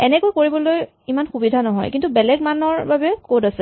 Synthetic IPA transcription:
ɛnɛkojkoɹibɔloj | imanxubidʱanɔɦɔ̰jkintubɛlɛɡ̚manɔɹbabɛkodasɛ

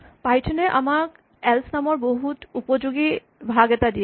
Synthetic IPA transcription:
pajtʰɔnɛʔa̰mak | ɛlsʰnamɔɹboɦutupɔzuɡi | bʱaɡɛtadijɛ

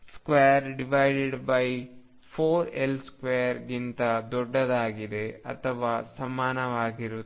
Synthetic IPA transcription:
skʋejɐɾɖiʋɐjɖeɖbɐj | pʰoːɾelskʋejɐɾɡint̪ɐd̪ɔɖːɐd̪aːɡid̪eɐ̰t̪ʰɐʋaːsɐmaːnɐʋaːɡiɾu

